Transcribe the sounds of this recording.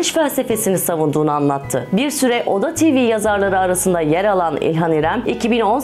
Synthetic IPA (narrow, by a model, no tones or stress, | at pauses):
nt͡ʃfælʲse̞fe̞sinisavund̪uːnuanlˠat̪ʰːɯbiɾsyɾɛʔo̞d̪at̪ʰiviːjazaɾlˠaɾɯaɾasɯnd̪ajɛɾalˠanḭlʲɦaniɾæmicʰibino̞n